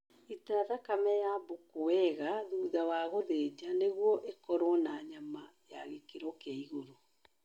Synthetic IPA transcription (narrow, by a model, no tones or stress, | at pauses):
itaðakamɛjabokowɛɣaðuːðawaɣoðeːd͡ʑaneɣwɔʔekɔɾwɔnaɲamajaɣekeɾɔkaiɣoɾo